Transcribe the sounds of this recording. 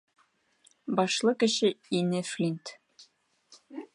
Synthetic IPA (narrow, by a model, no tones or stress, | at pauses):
bɒʃlˠɤkɘ̆ɕɘinɘflʲint̪